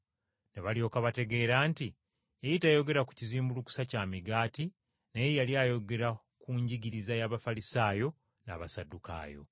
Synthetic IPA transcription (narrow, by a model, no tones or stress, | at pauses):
neβalio̞ːkaβate̞ɡe̞ːɾaːnti | ejitajo̞ɡe̞ɾaku̥ciziːmbuluku̥sacamiɡaːti | nejejaljaːjo̞ɡe̞ɾa | kuːɲɟiɡiɾizajaβafalisaːjo̞ | na̰βasaduka̰ːjo̞̰